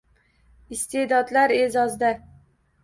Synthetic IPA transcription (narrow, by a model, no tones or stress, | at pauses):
ɪst̪ed̪ɒd̪laɾezɒzd̪a